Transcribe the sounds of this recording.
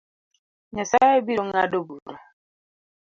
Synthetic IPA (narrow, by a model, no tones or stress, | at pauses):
ɲɔsaebioŋadobuɾa